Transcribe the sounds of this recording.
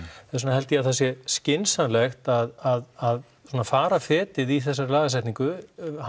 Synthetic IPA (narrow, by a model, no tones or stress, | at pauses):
s̬uːnaɦɛlt̪jaðθas̬jɛscɪnsanlɛxt̪aðaðað | suɔːnafaːɾafɛːt̪ɪðiθɛsːaɾlaːɣas̬ɛht̪niŋkʏh